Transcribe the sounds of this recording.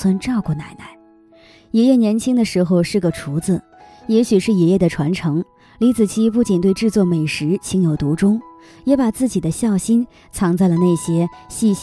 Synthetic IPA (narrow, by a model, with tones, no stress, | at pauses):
wə˥nʈ͡ʂɑ˥˧ʊkwɔ˥˩na˥˩ɪna˥˩ɪ | jɛ˧˥jɛ˥˩njɛ˧˥nt͡ɕʰi˥ŋd̪ə˨ʂɻ̩˧˥xo˧ʊʂɻ̩˥˩ɡə˩ʈ͡ʂʰu˧˥d͡zɹ̩˧ | jɛ˧˥ɕy˨˩ʂɻ̩˥˩jɛ˧˥jɛ˥˩d̪ə˩ʈ͡ʂʰwa˧˥nʈ͡ʂʰɤ˧˥ŋ | li˧˥t͡sɹ̩˨˩t͡ɕʰi˥˩pu˥˩t͡ɕi˨˩nt̪we˥˧ɪʈ͡ʂɻ̩˥˧t͡swɔ˥˩me˨˩ɪʂɻ̩˧˥t͡ɕʰi˧˥ŋjo˨˩ʊt̪u˧˥ʈ͡ʂʊ˥ŋ | jɛ˧˥pa˨˩t͡sɹ̩˥˩t͡ɕi˨˩d̪ə˦ɕjɑ˥˩ʊɕi˥n | t͡sʰɑ˧˥ŋt͡sa˥˩ɪlə˩na˥˩ɕjɛ˥ɕi˥˧ɕ